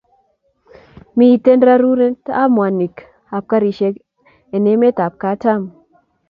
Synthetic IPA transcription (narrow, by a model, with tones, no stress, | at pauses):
mi˦˨t̪e˦nɾa˦ɾu˦ɾe˦nta˦mwa˨ni˨k | a˨p̚ka˦ɾi˨ʃe˦k | e˨ne˦me˦t̪a˨p̚ka˦ta˦m